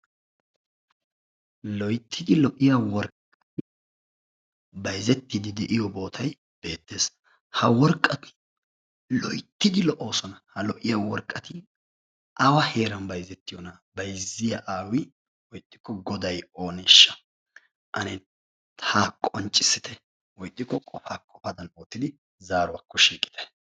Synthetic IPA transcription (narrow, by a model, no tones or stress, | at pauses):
lɔjt̪ʰːɪd̪ɪlɔʔɪjɐwɔɾkʼːɐt̪ɪ | bɐjzɛt̪ːɪd̪ɪd̪ɛʔɪjɔbo̞ːt̪ʰɐj | b̥e̞ːt̪ːe̞ːs | hɐwɔɾkʼːɐt̪ɪ̥ | lɔjt̪ːɪd̪ɪlɔʔo̞ːsɔnɐhɐlɔʔɪjɐwɔɾkʼːɐt̪ɪ | ʔɐwɐhe̞ːɾɐnbɐjzɛt̪ːɪjɔnɐbɐjzɪjɐʔaːwɪ | wɔjt̪ʼːɪ̥kːɔɡɔd̪ɐjo̞ːneʃːɐ̥ | ʔɐ̰nɛ | t̪ʰaːkʼɔnt͡ʃʼːɪsɪt̪ʰɛ | wɔjt̪ʼːɪkːɔkʼɔfaːkʼɔfɐd̪ɐnoːt̪ːɪd̪ɪ | zaːɾʊwɐkːɔʃiːkʼɪ̥t̪ʰɛ̥